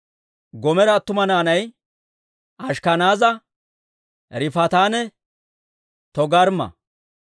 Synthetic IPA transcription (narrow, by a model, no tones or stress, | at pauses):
ɡɔmɛɾɐt̪ːʊmɐnaːnɐj | ɐʃkɐnaːzɐ | ɾɪfɐt̪aːnɛ | t̪ɔɡɐɾmɐ̰